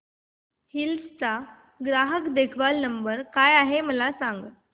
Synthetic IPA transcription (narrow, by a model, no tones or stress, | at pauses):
hilst͡sa | ɡɾaɦəkd̪ekʰʋalnəmbəɾkajaɦeməlasaŋɡ